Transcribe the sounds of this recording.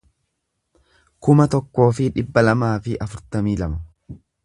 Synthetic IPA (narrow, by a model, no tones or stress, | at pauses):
kʊmɐt̪ɔkːo̞ːfɪᶑɪbːɐlɐmaːfɪʔɐfʊɾt̪ɐmiːlɐmɐ